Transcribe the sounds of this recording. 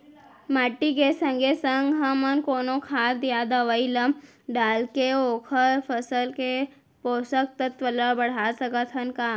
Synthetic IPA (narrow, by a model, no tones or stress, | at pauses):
maːʈːikesə̃ŋɡesəŋɡɦɐmənkoːnokʰaːɾd̪ijad̪əʋəiləm | ɖaːlkeoːkʰəɾpʰəsəlke | poːsək̚t̪ət̪ʋələbɐɽ̤asəkət̪ʰɦənkaː